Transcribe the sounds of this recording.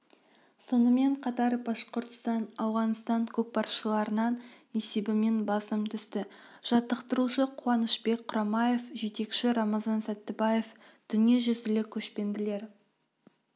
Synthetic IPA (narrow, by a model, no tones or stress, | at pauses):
so̞nəme̞ɴqʰɑt̪ɑɾbɑʃqoɾt̪ə̥st̪ɑnɑwʁɑnst̪ɑŋkʲʰɵk̚pɑrʃəlˠɑɾənɑn | e̞se̞bɪme̞nbɑsəmt̪ʰʏst̪ɪʒ̥ɑt̪ːəqt̪əɾuʃəqʰʊwɑnəʃbe̞k̚qʰʊɾɑmɑje̞fʒe̞t̪e̞kʃɪɾɑmɑzɑnsæt̪ːɪbɑje̞fd̪̥ʏnijeʒʏzɪlɪkʲʰɵʃpe̞nd̪ɪle̞ɾ